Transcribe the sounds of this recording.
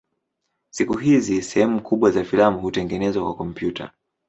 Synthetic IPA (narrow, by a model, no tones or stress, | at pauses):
sikuɦizisɛhɛmukʰuɓwazafilamuhutɛŋɡɛnɛzwakwakɔm̩pjuta̰